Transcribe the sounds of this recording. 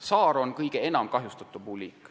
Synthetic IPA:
sɑːɾo̞nkɤjɡ̥ee̞nɑmkɑɦjust̪ɑt̪ːˑubulʲikːˑ

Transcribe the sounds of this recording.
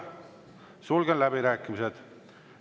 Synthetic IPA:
sulɡenlæbiɾæːkːˑimised̪̥

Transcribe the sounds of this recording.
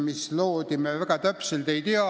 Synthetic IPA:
mist̪loːt̪imeʋækæt̪æpseld̪eit̪iɑ

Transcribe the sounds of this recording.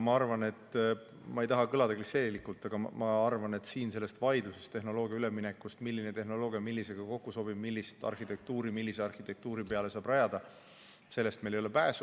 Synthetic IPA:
mɑɑrvɑne̞t̪ː | mɑejt̪ɑɦɑkɤlɑd̪̥ɑklise̞ːlilikult̪ˑːɑɡ̥ɑmɑɑrvɑne̞t̪siːnse̞lːest̪vɑjd̪usest̪e̞ɦno̞lo̞ːɡ̥iɑyleminekːˑust̪milːinet̪e̞ɦno̞lo̞ːɡ̥ijɑmilːise̞ɡ̥ɑko̞kːuso̞b̥ib̥milːist̪ɑ̰rxit̪e̞k̚t̪uːɾimilːiseɑrhit̪ek̚t̪uːɾipe̞ɑle̞sɑːbrɑjɑd̪̥ɑ | se̞lːe̞st̪melejolepæːsu

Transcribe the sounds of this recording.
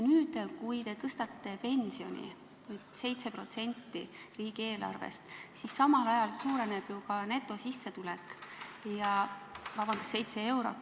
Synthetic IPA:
nyːd̪̥kujt̪e̞t̪ɤst̪ɑt̪ːe̞pe̞nsio̞̰nʲḭ | vujd̪̥se̞jt̪se̞pro̞t̪se̞nʲt̪ːi | riːɡ̥ie̞ːlɑ̰rvḛst̪sisɑmɑlɑjɑlsuːɾe̞ne̞b̥jukɑne̞t̪ːˑo̞sisːe̞t̪ulɛkjɑvɑbɑnd̪usːe̞jt̪se̞e̞wɾo̞̰t̪ː

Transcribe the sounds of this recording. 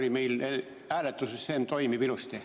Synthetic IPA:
limeile | æːlet̪ːusessent̪oimiʋilust̪e

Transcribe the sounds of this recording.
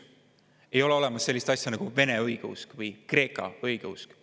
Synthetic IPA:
e̞jo̞leo̞le̞mɑsːe̞lʲːist̪ɑsʲjɑnɑɡ̥uve̞ne̞ɤjɡ̥eṵskvɤjkre̞ːkːˑɑ̰ɯjɡ̥eusk

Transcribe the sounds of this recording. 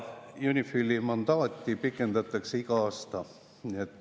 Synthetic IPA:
junʲifylːimɑnd̪ɑːt̪ʲːˑipikːˑe̞nd̪ɑt̪ːˑɑkseiɡɑɑːst̪ɑ | niet̪ːˑ

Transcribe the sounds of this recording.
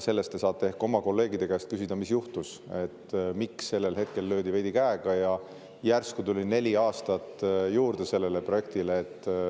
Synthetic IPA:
se̞lːest̪ːesɑːt̪ːˑee̞hko̞mɑko̞lːe̞ːɡid̪ekæːst̪kysid̪̥ɑmisjuht̪us | e̞t̪ːmiksːe̞lːe̞lɦe̞t̪̚ke̞lːø̞ːd̪ive̞jd̪̥ikæeɡ̥ɑjɑ | jærskut̪ulʲine̞lʲiɑːst̪ɑt̪ːjuːɾd̪̥e̞se̞lːe̞le̞proje̞k̚t̪ileːt̪ːˑ

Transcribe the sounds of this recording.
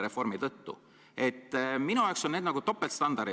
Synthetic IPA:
ɾe̞fo̞rmit̪ɤt̪ːṵ | e̞t̪ːminuɑokso̞nned̪nɑɡ̥ut̪o̞pːˑelt̪st̪ɑnd̪ɑɾi

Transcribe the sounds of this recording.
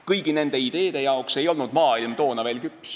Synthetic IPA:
kɤjɡ̥ine̞nd̪e̞id̪̥e̞ːd̪̥e̞jɑokse̞jo̞lnud̪̥mɑːilmt̪o̞ːnɑve̞ːlkypːˑs

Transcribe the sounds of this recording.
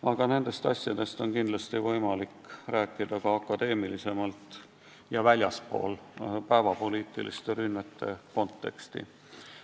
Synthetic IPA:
ɑɡ̥ɑne̞nd̪̥e̞st̪ɑ̰sʲjɑd̪̥e̞st̪o̞nkind̪̥lɑst̪ivɤjmɑlikræːkːˑid̪̥ɑkɑɑkːˑɑd̪̥e̞ːmilise̞mɑlt̪ˑ | jɑvælʲjɑspo̞̰ːlpæevɑpo̞liːt̪ːˑḭlḭst̪e̞ɾynmet̪ːe̞ko̞nt̪ːe̞̰kst̪ḭ

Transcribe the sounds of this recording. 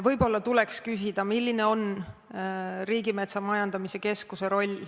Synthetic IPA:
vɤjbo̞lːɑt̪ule̞kskys̬ʲid̪̥ɑmilʲːine̞o̞n | riːɡime̞t̪sɑmɑjɑnd̪̥ɑmise̞ke̞skuse̞ɾo̞lʲ

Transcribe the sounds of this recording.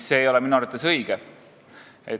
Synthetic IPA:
sːe̞ːjo̞lɛminuɑɾt̪ːˑesɤjɡ̥ɛ | e

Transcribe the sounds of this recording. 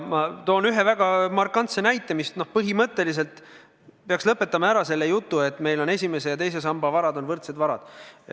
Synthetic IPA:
mɑt̪o̞ːnyɦe̞væɡ̥ɑmɑrkːˑɑnt̪senæjt̪ːˑemist̪nohpɤɦimɤt̪ːˑe̞lis̬e̞lt̪ | peɑkslɤpːˑe̞t̪ːˑɑmɑæɾɑse̞lːejut̪ːue̞t̪ːˑme̞jlo̞ne̞sʲime̞sejɑt̪e̞jse̞s̬ɑmbɑvɑɾɑd̪o̞nvɤrt̪se̞d̪vɑɾɑ̰d̪̥

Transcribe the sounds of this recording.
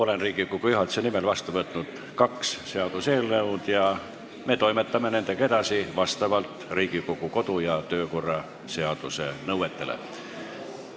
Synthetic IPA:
o̞lenriːɡikokujyɦɑlt̪senimelvɑst̪uvɤt̪ːˑnud̪̥ | kɑksse̞ɑd̪use̞ːlnəwd̪̥jɑ | me̞t̪o̞jmet̪ːɑme̞ne̞nd̪̥e̞ke̞d̪ɑsivɑst̪ɑvɑlt̪riːɡ̥ikokuko̞d̪̥ujɑt̪øːko̞rːɑ | se̞ɑd̪̥use̞nɤwet̪ːe̞lḛ

